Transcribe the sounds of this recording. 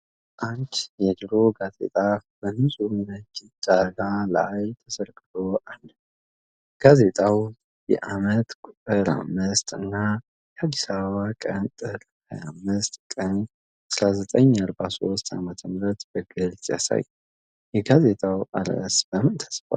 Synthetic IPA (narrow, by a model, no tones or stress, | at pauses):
ʔant͡ʃjɛd̪ɾo̞ɡaze̞̰t̪ʼabənɨmsʼunat͡ʃːɪt͡ʃʼaɡaləajt̪ʰəsəlkʼɨt̪o̞ʔalːə | ɡ̥aze̞t̪ʼaw | jɛ̰ʔamət̪kʼut̪ʼɨɾa̰mːɨst̪ʼɨnːa | jɛhad̪ːisaβəβakʼənt̪ʼɨɾ | ha̰jamːɨst̪ʼkʼən | sɾazət̪ʼəɲːaɾbaso̞st̪ʰamət̪ʰəmɾət̪b̥əɡɨlzʼja̰sa̰j | jɛɡaze̞t̪ʼawʔaɾə̰sb̥əmɨnt̪ʰə̥sfa̰l